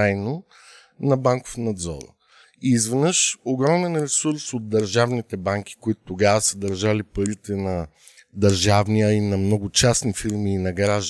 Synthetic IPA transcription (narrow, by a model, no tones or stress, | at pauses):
ajno | nɐbaŋko̥fnɐd̪zɔ̰ɾ | iːzvɛnəʃoɡɾɔmɛnɾɛsuɾsod̪̚d̪ːɐɾʒavnit̪ɛbaŋkʲi̥koit̪ʊ̥t̪oɡavəsəd̪ɐɾʒalipɐɾit̪ɛnɐ | d̪ɐɾʒavnijəinɐmnɔɡʊt͡ʃasnifiɾmiːnɐɡɾaʒ